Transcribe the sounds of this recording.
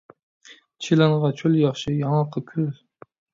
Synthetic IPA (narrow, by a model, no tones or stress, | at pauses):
t͡ʃʰilɑnʁɑt͡ʃʰoljɑχʃɪjɑŋɑqʰəkʲʰyz